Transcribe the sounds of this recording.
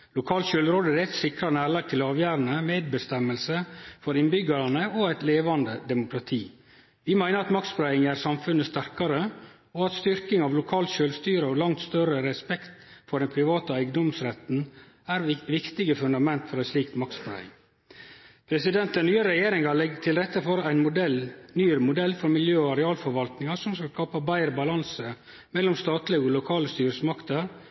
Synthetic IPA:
lʊkʰɑːlt̪ʃʏlɾoːd̪əæɾæɛɪt̪sɪkɾɑnæːɭɑːɡ̚t̪ʰɪlɑːʋjæːɾənəmeːd̪̚bəst̪ɛmːəlsəfɔɾɪnbʏɡɑɾɑnəʔɔæɪt̪leːʋɑnd̪əd̪ɛmʊkʰɾɑt̪ʰiː | ʋɪmæɪnəɾɑt̪mɑkt̪sbɾæɪɪŋæːɾsɑmfʉnːəst̪æɾkɑɾə | ɔɑt̪st̪ʏɾkɪŋɑʋlʊkʰɑːlt̪ʃøːlst̪yːɾəɔlɑŋt̪st̪œɾəɾɛspɛkt̪fɔɾd̪ɛnpʰɾɪʋɑːt̪ɑæɪɡd̪ɔmsɾɛt̪n̩ | æːɾʋɪkt̪ɪɡəfʉnd̪ɑmɛnt̪fɔɾæɪsliːkt̪mɑkspɾæ̰ɪ̰ŋ | pʰɾɛsɪd̪ɛnt̪ɛnyːəɾɛjeːɾɪŋɑlɛɡət̪ʰɪlɾɛt̪ːəfoːɾæɪnmʊɛlnyːəɾmʊd̪ɛlːfɔɾmɪljøːɔɑɾɛɑːlfɔɾʋɑlt̪nɪŋɑsɔmskɑlskɑːpɑbæɪɾbɑlɑnsə | mɛlːɔmst̪ɑːt̪lɪɡɔlʊkʰɑːləst̪yːɾəsmɑkt̪əɾ

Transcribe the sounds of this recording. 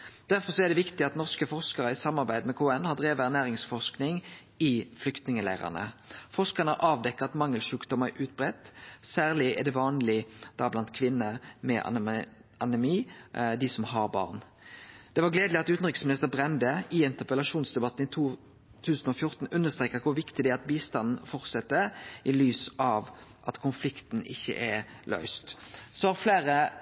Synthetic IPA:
d̪̥æʁfɔʁsɔɛd̪ɛʋɪkt̪ɪɑt̪nɔʁskəfɔʁʂkɑʁəɪsɑmːɑɾbæɪd̪mɛkʰoːɛnːhɑd̪ʁeːʋæʁnæːʁɪŋsfɔʂknɪŋ | ɪflʏkt̪nɪŋəlæ̰ːʁə̰nə̰fɔʁʂkɑnəəʔɑːʋd̪ɛkːəɑt̪mɑŋːəlʃʉːkd̪ɔmæɾʔʉːt̪̚bʁɛt̪ːsæːʁlɪɛ̰d̪ɛʋɑːnlɪd̪̥ɑblɑnt̪kʰʋɪnːəmɛʔɑnɛmiːd̪ɪsɔmhɑɾbɑ̰ːʁn | d̪̥ɛʋɑʁɡleːd̪lɪɑt̪ʉːt̪n̩ʁɪksmɪnɪst̪əʁbʁɛnd̪əɪɪnt̪əpəlɑʃuːnsd̪ɛbɑt̪ːn̩ɪt̪ʰuː | t̪ʰʉːsn̩ɔfjʊʁt̪n̩ʉnːəst̪ɾʁeːkəkʰʊɾʋɪkt̪ɪd̪ɛæɾɑt̪̚biːst̪ɑnn̩fɔʁt̪sɛt̪ːəʔɪlyːsɑʋʔɑt̪kʰʊnflɪkt̪n̩ɪçːə̰ʔɛɾ | lœ̰ʏst̪sɔɑfleːɾə

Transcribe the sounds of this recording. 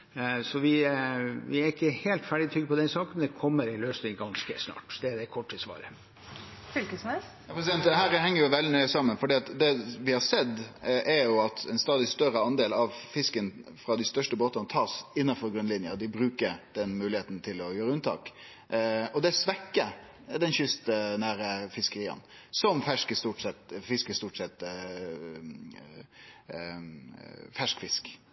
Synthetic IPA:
sɔʋɪ | ʋɪæɾɪkːəheːlt̪fæɖɪt̪ɾʏɡːəpʰɔd̪ɛnsɑːkən̩d̪ɛkʰɔmːəɾɛløːsnɪŋɡɑnskə̰snɑ̰ːʈd̪ɛd̪ɛkʰɔʈ̚ʈʰːɪlsʋɑ̰ːɾə̰ | fʏlkəsmɛs | jɑpʰɾɛs̬ɪd̪ɛnt̪d̪ɦæːɾhɛŋːəɾjʊʋɛld̪ɪnœʏəsɑmːənfɔɖiːɑt̪d̪ɛʋɪhɑɾsɛd̪ːʔɛɾjʊɑt̪ɛɪnst̪ɑːd̪ɪst̪œɾəɑnd̪eːlɑʋfɪskənfɾɑd̪ɪst̪œʂʈəboːt̪ɑnət̪ʰɑːsɪnːɑfɔɾɡɾʉnlɪnjəd̪ɪbɾʉːkəɾd̪̥ɛnmʉːlɪeːt̪n̩t̪ʰɪlɔjøːɾəʉnt̪ʰɑ̰ːk | ɔd̪ɛsʋɛkːə | d̪ɛnçʏst̪ənæːɾəfɪskəɾiːə̰n | sɔmfæʂkəst̪uːʈsɛt̪fɪskəst̪uːʈsɛt̪ː | fæʂkfɪsk

